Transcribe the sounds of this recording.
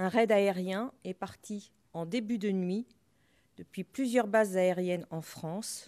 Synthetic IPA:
ɛ̃ʁɛd̪aeʁjɛ̃ɛpaʁt̪ʰi | ɑ̃d̪ebyd̪ənɥi | d̪̥əpɥiplyzjœʁbazːaeʁjɛnɑ̃fχɑ̃s

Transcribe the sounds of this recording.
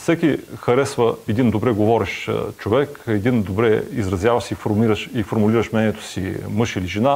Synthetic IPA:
fsɛkʲixɐɾɛsvəɛd̪ind̪obɾɛɡovɔɾɛʃt͡ʃovɛkɛd̪ind̪obɾɛizɾɐzjavɐʃsifoɾmiɾəʃifoɾmuliɾəʃmnɛniɛt̪o̥sḭmɤʃiliʒɛna

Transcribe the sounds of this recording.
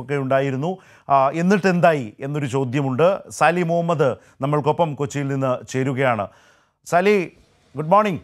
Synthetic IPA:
okːe̞juɳɖaːjiɾunːu | e̞nːiʈːe̞nd̪aːjie̞nːo̞ɾut͡ɕo̞ːd̪ʱjɐmuɳɖɨsaːlimoɦɐmːɐðɨ | nɐmːɐɭko̞pːɐmkot͡ɕːijilninːɨt͡ɕe̞ːɾuɣɐjaːɳɨ̰ | saːli | ɡuɖmoːrɳiŋ

